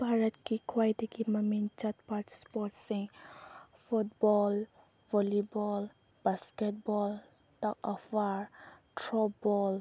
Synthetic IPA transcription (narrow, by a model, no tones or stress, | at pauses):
bʱaɾət̪kikʰwajd̪ikimamint͡ʃat̪̚patspɔtsĩ | fut̚bɔl | vɔlibɔl | b̥askɛt̚bɔl | takɔfaɾtɾɔbɔl